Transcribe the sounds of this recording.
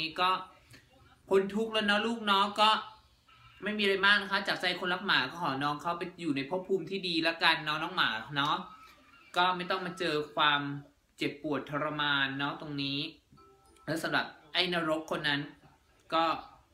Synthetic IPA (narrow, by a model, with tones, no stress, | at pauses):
i˦˥kɔː˥˩ | kʰo˧nt̪ʰu˦˥k̚lɤː˦˥nɔ˦˥luː˥˩k̚nɔ˦˥ŋkɔː˥˩ | ma˥˩jmiː˧a˧ɾa˧jmaː˥˩k̚na˦˥kʰa˦˥t͡ɕaː˨˩k̚sa˧jkʰo˧nla˦˥k̚maː˩˦kɔː˥˩kɔː˩˦nɔː˦˥ŋkʰa˦˥wpa˧jjuː˨˩na˧jpʰu˦˥pʰːuː˧mt̪ʰiː˥˩diː˧la˦˥ka˧nːɔː˦˥ŋnɔː˦˥ŋmaː˩˦nɔ˦˥ | kɔː˥˩ma˥˩jt̪ɔ˥˩ŋmaː˧t͡ɕɤː˧kʰwaː˧m | t͡ɕe˨˩pːu˨˩ət̪ʰːa˧ɾa˧maː˧nːɔ˦˥t̪o˧ŋniː˦˥ | lɛ˦˥wsa˨˦mɾa˨˩p̚ʔa˥˩jna˦˧˥ɾo˦˥p̚kʰːo˧nːa˦˥n | kɔː˥˩